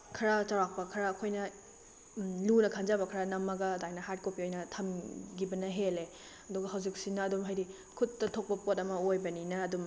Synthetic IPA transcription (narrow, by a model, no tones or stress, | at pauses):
kʰɐɾat͡ʃawɾak̚pɐkʰɐɾɐːkʰojnɐ | lunɐkʰanzabɐkʰɐɾɐnɐmːɐɡɐdajnɐɦaɾt̚kopiojnɐtʰɐmɡibɐnɐɦele | ɐduɡɐɦɐwzik̚sinɐːdumɦajɾi | kʰutːɐtʰok̚pɐpotɐmɐojbɐninɐːdum